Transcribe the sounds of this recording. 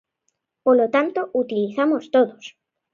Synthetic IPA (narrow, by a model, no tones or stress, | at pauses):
polot̪ant̪out̪iliθamost̪oðos